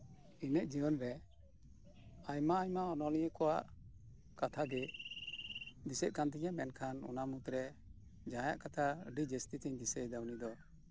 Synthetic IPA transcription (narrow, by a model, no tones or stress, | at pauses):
inɛʔ̚d͡ʒiɔnɾɛ | ajmaːɲmaɔnɔlijəkɔwa̰ʔ | kat̪ʰaɡɛ | d̪isɛt̪̚kant̪ɛɲamɛnkʰanɔ̰namut̪ɾɛ | d͡ʒãja̰ʔkat̪ʰaɖid͡ʒəst̪it̪ɛɲd̪isəjd̪awnid̪ɔ